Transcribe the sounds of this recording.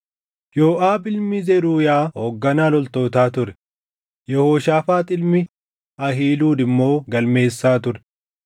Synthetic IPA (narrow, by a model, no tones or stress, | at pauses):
joːʔaːbɪlmɪzɛɾuːjaːhoːɡːɐnaːlɔlt̪o̞ːt̪aːt̪ʊɾɛ̥ | jɛhoːʃaːfaːt̪ʼɪlmɪ | ɐɦiːluːd̪ɪmːo̞ːɡɐlme̞ːsːaːt̪ʊɾɛ